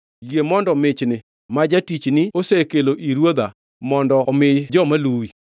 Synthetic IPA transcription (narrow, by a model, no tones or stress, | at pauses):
jemɔndɔmɪt͡ʃnɪ | mad͡ʒatit͡ʃnɪosekeloʔiɾwod̪a | mɔndɔmɪjd͡ʒɔmaluwi